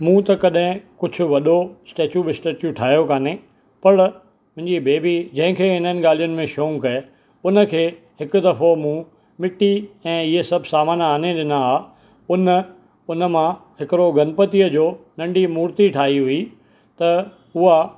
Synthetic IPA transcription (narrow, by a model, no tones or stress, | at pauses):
mũːt̪ɐkɐɗɦɪ̃kʊd͡ʑʱʊ̆ʋɐɗosʈeːt͡ɕjubɪsʈeːt͡ɕuʈʰaːɦijokaːne | pɐɾ | mʊ̃ɦɪ̃ɲd͡ʑibeːbid͡ʑɐ̃ɦɪ̃kʰeːɦɪnənɪ̆ɡaːl̤ijʊnɪ̆mẽʃoːŋkɐe | ʊnə̆kʰeː | hɪkʊ̆d̪ɐfomũ | mɪʈiɛ̃ːɪɦesɐbʱsaːmaːnaːneɗɪnaaː | ʊnə̆ | ʊnə̆mãɦɪkɪɾoɡɐnpət̪ijəd͡ʑoːnɐ̃ɳɖimuːɾt̪iʈʰaːɦiɦʊi | t̪ɐ | ʊɦa